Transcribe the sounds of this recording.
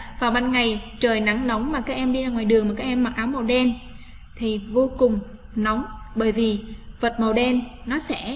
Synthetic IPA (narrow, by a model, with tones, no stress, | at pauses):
vaː˨˩wɓaː˧nŋa˨˩jt͡ɕəː˨˩jna˨˦ŋna˨˦wŋ͡mmaː˨˩kaː˦˥k̚ʔɛ˧mɗi˧zaː˧˩ŋwaː˨˩jɗɨ˨˩əŋmː˨˩kaː˦˥k̚ʔɛ˧mːa˨˩t̚ʔaː˨˦wmo˨˩wɗɛ˧n | t̪ʰi˨˩vo˧kʊ˨˩ŋ͡m | nɔ˨˦wŋ͡mɓəː˧˩jvi˨˩və˨˩t̚mo˨˩ɗɛ˧nːɔ˨˦sɛ̰˧˥